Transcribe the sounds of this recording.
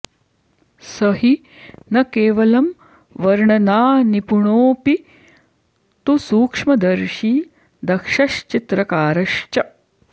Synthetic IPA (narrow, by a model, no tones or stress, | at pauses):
sɐɦi | nɐkeːʋɐlɐm | ʋɐɾɳɐnaːnipuɳoːpi | t̪usuːkʂmɐd̪ɐɾʃiː | d̪ɐkʂɐʃt͡ʃit̪ɾɐkaːɾɐʃt͡ʃɐ